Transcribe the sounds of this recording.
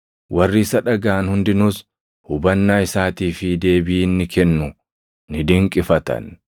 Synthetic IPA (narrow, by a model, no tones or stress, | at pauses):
wʔɐrːiːsɐᶑɐɡaːnhʊnd̪ɪnʊs | hʊbɐnːaːɪsaːt̪iːfɪd̪e̞ːbɪːnːɪkʰɛnːʊ | nɪd̪ɪŋkʼɪfɐt̪ɐ̰n